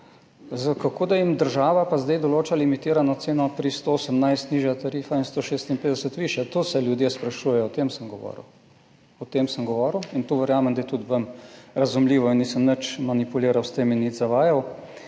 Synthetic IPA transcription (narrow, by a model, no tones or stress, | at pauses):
zəkakoːd̪ajimd̪əɾʒaːʋapazd̪ajd̪ɔloːt͡ʃalimit̪ɪːɾanɔt̪seːnɔpɾist̪oosəmnajst̪niːʒjat̪aɾiːfainst̪oːʃeːst̪inpeːd̪ɛsət̪ʋiːʃjɛt̪oːsɛljud̪jespɾaʃuːjɛjɔɔt̪emsəmɡɔʋɔ̰ɾə̰w | ɔt̪emsəmɡɔʋɔːɾwint̪oʋəɾjaːmɛmd̪ajt̪ut̪ʋəmɾɐzumliːʋɔinniːsəmnət͡ʃmanipuliːɾawst̪eːminːizaʋaːjaw